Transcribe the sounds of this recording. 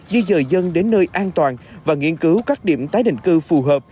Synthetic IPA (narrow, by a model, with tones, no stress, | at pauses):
zɨ˧zəː˨˩jzə˧nɗe˨˦nːəː˧jʔaː˧nt̪waː˨˩nvaː˨˩ŋi˧ənkɨ˨˦wkaː˦˥k̚ɗḭ˧˩˨əmt̪aː˨˦jɗḭ˧˨ŋ̟kɨ˧fu˨˩ɦəː˨˩p̚